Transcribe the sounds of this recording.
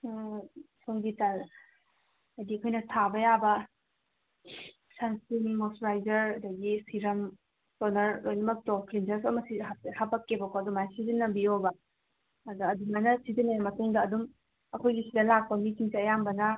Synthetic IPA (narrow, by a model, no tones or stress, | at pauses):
soŋɡitaɾ | ɐjdiɐkʰojnɐtʰabɐjabɐ | sansinmosɾajd͡ʒɐɾɐdɐɡisiɾɐm | sonɐɾlojnɐmɐk̚tɔpʰɾind͡ʒɐɾs̬ɐmɐsiahapɐkːebɐkʰoɐdumajsizinːɐbiobɐ | ɐduɐdumanɐsizinːɐjamɐtuŋdɐːdum | ɐkʰojɡisidɐlak̚pɐmitiŋsiɐjambɐnɐ